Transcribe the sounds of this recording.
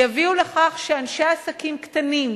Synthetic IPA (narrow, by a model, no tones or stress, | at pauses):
javiuleχaχʃeanʃeasakimkt̪anim